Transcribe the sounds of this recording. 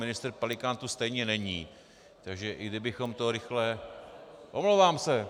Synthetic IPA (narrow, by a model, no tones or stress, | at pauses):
mɪnɪst̪ɾpalɪkaːnt̪ust̪ɛjɲɛnɛɲiː | t̪aɡʒɛʔɪɡdɪbɪxo̞mt̪o̞ɾɪxlɛ | ʔomlowvaːmsɛ